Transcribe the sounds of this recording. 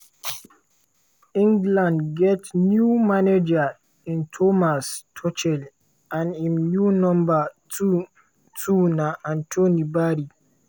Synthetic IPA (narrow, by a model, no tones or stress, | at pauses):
ĩŋɡlãndɡɛtnjumaned͡ʒa | ĩntʰomastʰɔt͡ʃɛl | ãnĩmnjunɔ̃mba | tʰunaʔãntʰonibaɾi